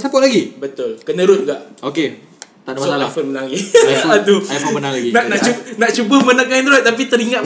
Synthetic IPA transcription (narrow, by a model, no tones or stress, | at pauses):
sapɔʔlaɡibət̪ʊlkənəɾʊnɡaʔoke | t̪anamaaafonmənaŋiaad̪uajfomənaŋlaɡinanat͡ʃunaʔt͡ʃubəmənaŋkainɾat̪̚t̪ːap̬it̪əɾiŋat̪̚